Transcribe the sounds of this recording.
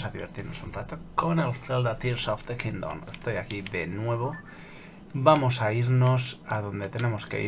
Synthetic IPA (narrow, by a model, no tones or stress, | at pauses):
saðiβe̞̰ɾt̪iɾno̞sunrat̪oko̞ne̞lθeld̪at̪iɾsoft̪d̪ekind̪o̰nest̪o̞jakiðe̞nwe̞β̞o̞ | bamo̞saiɾno̞saðo̞nd̪e̞t̪e̞ne̞mo̞ske̞̰i